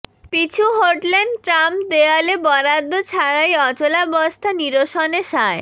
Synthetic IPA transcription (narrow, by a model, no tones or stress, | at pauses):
pit͡ɕʰuɦoʈleɳɖʈɾampd̪ealebɔɾad̪ːot͡ɕʰaɾajɔt͡ɕolabɔst̪ʰaniɾoʃɔneʃae